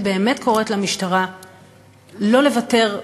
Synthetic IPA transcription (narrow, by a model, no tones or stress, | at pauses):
be̞ːmetkʰo̞ʁetlamiʃtaʁa | lo̞le̞vate̞ʁ